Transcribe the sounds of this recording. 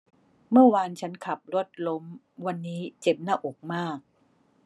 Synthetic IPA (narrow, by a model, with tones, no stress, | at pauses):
mɯ˥˩ɐwaː˧nt͡ɕʰa˦˥nkʰa˨˩p̚lo˦˥t̪̚lo˦˥m | wa˧nːiː˦˥t͡ɕe˨˩p̚naː˥˩ʔo˨˩k̚maː˥˩k̚